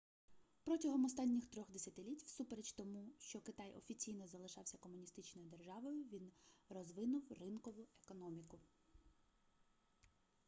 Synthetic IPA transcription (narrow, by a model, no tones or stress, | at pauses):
pɾɔtʲɐɦɔmɔst̪ɑnʲːixt̪ɾɔɣd̪esʲɐt̪ɪlʲitʲwsupeɾet͡ʃʲt̪ɔmuʃt͡ʃɔkɪt̪ɑjʔɔ̰fʲit͡sʲijnɔzɐlˠɪʃɑwsʲɐkɔmʊnʲist̪ɪt͡ʃnɔjʊd̪erʒɑʋɔjʊʋʲinrɔzʋɪnʊwrɪnkɔʋʊekɔnɔmʲikʊ